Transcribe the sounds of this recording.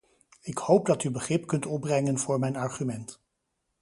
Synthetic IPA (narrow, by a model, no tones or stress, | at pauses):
ɪkhowp̚dɑtybəχrɪpkɵntɔb̚brɛŋənvʊːɹmɛjnɑɹχymɛnt